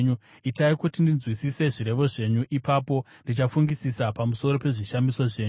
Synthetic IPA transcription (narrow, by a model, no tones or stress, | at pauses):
ɲu | itaikutindinzwisise̞ʐiɾe̞ʋo̞ʐe̞ɲuʔipaːpo̞ | ndit͡ʃafuŋɡisisapamuso̞ɾo̞pe̞ʐiʃamiso̞ʐe̞ːɲ